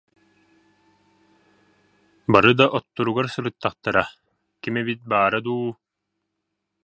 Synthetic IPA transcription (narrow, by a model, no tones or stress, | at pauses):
baɾɯd̪aʔɔt̪ːuɾuɡaɾsɯɾɯt̪ːaχt̪aɾa | kimɛβit̪̚baːɾad̪uː